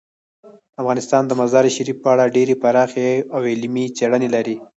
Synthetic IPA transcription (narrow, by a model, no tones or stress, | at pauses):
afɣɑnɪst̪ɑnd̪əmazɑɾʃaɾifpəaɽaɖeɾepaɾɑxeawɪlmit͡seɽənelaɾi